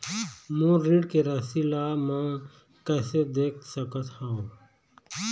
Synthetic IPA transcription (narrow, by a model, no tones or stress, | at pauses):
moɾiɖkeɾəsilamã | kɛːsed̪eːk̚ʰsəkət̪hao